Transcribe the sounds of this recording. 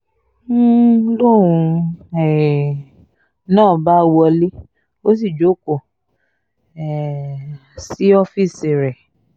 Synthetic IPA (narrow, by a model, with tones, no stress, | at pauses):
lo˦˨ɾũ˧ɛ˨ | nãː˦˨ba˦wɔ˧le˦ | o˦s̬i˦˨d͡ʒo˨˦˨ko˨ | ɛ˨ | si˨˦ɔ˦fi˦˨si˨ɾɛ˨